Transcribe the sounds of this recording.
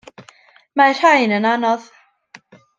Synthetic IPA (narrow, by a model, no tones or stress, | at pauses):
mar̥ajnənanɔð